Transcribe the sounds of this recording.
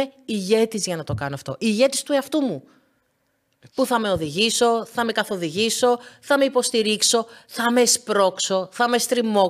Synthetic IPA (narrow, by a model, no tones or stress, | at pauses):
eiʝe̞t̪izʝɐnɐt̪o̞kɐnoɐft̪o̞̰ʔiʝe̞t̪ist̪ueɐft̪umu | puθɐme̞o̞ðiʝiso̞θɐme̞kɐθo̞ðiʝiso̞θɐme̞ipo̞st̪iɾikso̞θɐme̞spɾo̞kso̞θɐmest̪ɾimo̞